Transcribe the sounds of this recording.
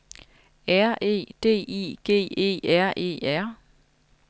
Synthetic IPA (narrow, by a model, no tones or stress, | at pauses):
æɐ̰ʔe̝̰ːd̥e̝̰ːḭːɡ̥e̝̰ːe̝̰ːæɐ̰ʔe̝̰ːæɐ̰